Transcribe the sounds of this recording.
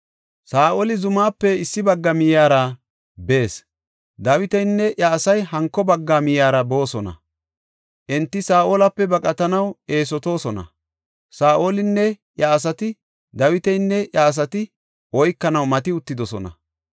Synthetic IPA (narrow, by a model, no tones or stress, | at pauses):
saːʔoːlɪzʊmaːpːɛɪsːɪbɐɡːɐmɪjaːɾɐ | be̞ːs | d̪ɐwɪt̪ɛjnːɛʔjɐːsɐjɦɐŋkːɔbɐɡːamɪjaːɾɐbo̞ːsɔnɐ̰ | ʔɛnt̪ːɪsaːʔoːlɐpːɛbɐkʼɐt̪ɐnɐwe̞ːs̬ɔt̪o̞ːsɔnɐ̰ | saːʔoːlɪnːɛ | jɐːs̬ɐt̪ɪ | d̪ɐwɪt̪ɛjnːɛjaːs̬ɐt̪ɪ | ɔjkːɐnɐwmɐt̪ɪʊt̪ːɪd̪ɔsɔ̰nɐ̰